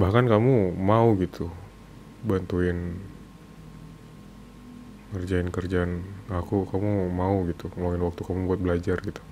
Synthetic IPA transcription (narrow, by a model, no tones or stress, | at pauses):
bahkankamumauɡit̪ʰu | bant̪uɪn | kərd͡ʒaɪnkərd͡ʒanakukamumauɡit̪ukəlaŋɪnwak̚t̪ukamubuat̪̚bəlad͡ʒarɡit̪u̥